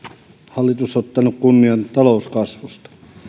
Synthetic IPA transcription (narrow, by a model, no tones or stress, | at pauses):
hɑlːit̪usot̪ːɑnukkunːiɑnt̪ɑlouskɑsʋust̪ɑ̥